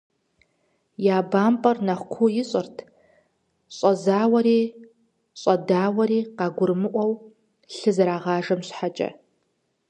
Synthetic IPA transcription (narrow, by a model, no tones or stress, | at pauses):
jaːbaːmpʼɐrnɐχʷkʷʰʊjɪɕʼɨrtʰ | ɕʷʼɐzaːwɐɾiː | ɕʷʼɐdaːwɐɾiːqɑɡʷʊrmɨʔʷɐw | ɬɨzɐɾaːʁɑːʐɐmɕħat͡ʃʼɐ̰